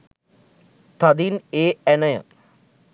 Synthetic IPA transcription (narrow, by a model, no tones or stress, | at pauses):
t̪ɐd̪ineːenɐjɐ̰